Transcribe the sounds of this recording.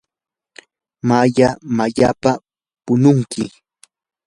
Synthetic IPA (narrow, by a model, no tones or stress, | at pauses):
maʎamaʎapa | pʊnʊŋkɪ